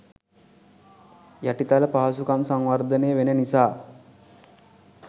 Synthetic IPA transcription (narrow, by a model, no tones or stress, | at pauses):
jaʈit̪aləpaːs̬ukansaŋʋaɾd̪əneːʋenenisaː